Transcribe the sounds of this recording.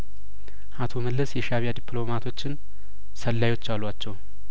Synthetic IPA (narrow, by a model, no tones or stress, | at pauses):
ʔat̪ʰo̞məlːɨsjɛʃaβijad̪ipʰlo̞mat̪ʰo̞t͡ʃːɪn | səlːajwo̞t͡ʃːalːat͡ʃːɛw